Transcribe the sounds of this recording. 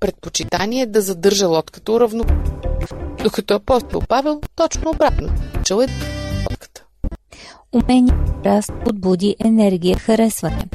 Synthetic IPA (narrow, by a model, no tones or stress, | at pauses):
pɾɛt̪̚pot͡ʃit̪aniɛd̪ɐzɐd̪ɤɾʒəlˠɔt̪kə̥t̪əʊɾɐvno | d̪̥okɐt̪ɔɐpɔst̪o̰lˠpavɛlˠt̪ɔt͡ʃnoobɾat̪not͡ʃɛlˠɛlˠɔ̰t̪kə̥t̪ə̥ | umɛniəɾast̪od̪̚bud̪iʔɛnɛɾɡʲijəxɐɾɛsvɐnɛ̰